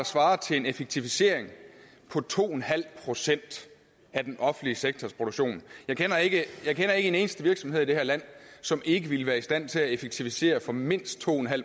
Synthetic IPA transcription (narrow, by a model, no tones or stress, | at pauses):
ɑ̈sʋɑ̈ːɐt͡sʰe̝lenefeɡ̥̚t͡sʰifise̝̰ːɐ̰eŋ | pʰɒ̽t͡sʰo̝̰ːenɦæl̰pʰʁo̝sen̰d̥ | æd̥enʔɒ̽fn̩liəseɡ̥̚t͡sʰɒspʰʁo̝ɾ̥oɡ̥ɕo̝̰ːnjɑ̈ɪkʰenɐe̝ɡ̥əjɑ̈ɪkʰenɐe̝ɡəe̝ne̝ːnəsd̥əʋiɐɡ̥sɒ̽með̞̰ˠid̥ehæ̝ɐlæn̰sɒ̽me̝ɡ̥əʋiləʋæːɐisd̥æn̰t͡sʰe̝læefeɡ̥̚t͡sʰifise̝̰ːɐfɒ̽me̝n̰sd̥̚t͡sʰo̝̰ːenɦæl̰